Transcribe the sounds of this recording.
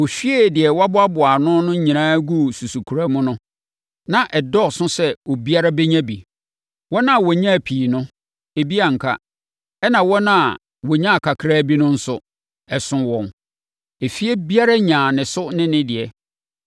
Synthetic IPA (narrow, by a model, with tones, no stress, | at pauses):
wɔ˨fi˦e˦˨dɪ˨ɛ˨wa˦bʊ˦a˦bʊ˨a˨nʊ̃˦nʊ̃˦ɲĩ˨nãː˦ɡu˦˨su˨su˨kʰu˨ɾa˦mʊ̃˦nʊ̃˦ | nã˨ʔɛ˨dɔ˦˨sʊ̃˦sɛ˦wɔ˨bi˦a˦ɾa˦bɛ˦ɲã˦bḭ˨ | wɔ̃˦nã˦˨wɔ˨ɲã˦˨pʰiː˨nʊ̃˦ | e˨bi˦a˨ŋ̩˨kʰa̰˦ | ɛ˦nã˨wɔ˦nã˦˨ | wɔ˨ɲã˦a˨kʰa˨kʰɾa˦bi˦nʊ̃˦n̩˦sʊ˨ | ɛ˨sʊ̃˨wɔ̃˨n | e˨fi˦e˦bi˦a˦ɾa˦ɲã˨nɪ̃˨sʊ˦nɪ̃˦nɪ̃˦dɪ˨ɛ˨